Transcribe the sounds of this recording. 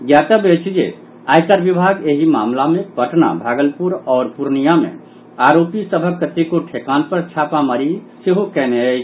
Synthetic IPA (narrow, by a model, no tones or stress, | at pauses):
ɡjat̪əbet͡ʃʰd͡ʒḛ | aːjkaɾbibʱaɡeɦima̰ːmlamẽpəʈna̰bʱaːɡəlpuɾɔːɾpuɾnijamḛ̃ | aɾopisəbʱəkːət̪ikoʈʰekanpəɾt͡ʃʰapaməɾiseɦokɛneə